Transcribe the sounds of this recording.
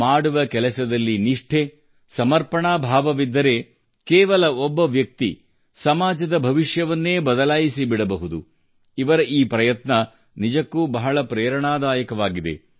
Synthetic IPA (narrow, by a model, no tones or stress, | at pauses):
maːɽuʋɐkɛlɐsɐd̪ɐlːiniʂʈʰe | sɐmɐɾpɐɳaːbʱaːʋɐʋid̪ːɐɾe̞ | kɛːʋɐlɐɔbːɐʋjɐk̚t̪ḭ | sɐmaːd͡ʒɐd̪ɐbʱɐʋiʂjɐʋɐnːe̞ːbɐd̪ɐlaːjisibiɽɐbɐɦud̪ṵ | iʋɐɾɐʔiːpɾɐjɐt̪nɐ | nid͡ʒɐkːuːbɐɦɐɭɐpɾɛːɾɐɳaːd̪aːjɐkɐʋaːɡid̪e̞̰